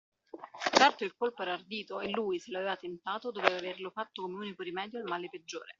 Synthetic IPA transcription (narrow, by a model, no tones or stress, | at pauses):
t͡ʃɛrt̪oilkolpoɛɾard̪iːt̪oelːuːjseloaveːvat̪ent̪aːt̪od̪oveːvaverlofat̪ːokomeuːnikoɾimɛːd̪joalmaːleped͡ʒːo̰ːɾe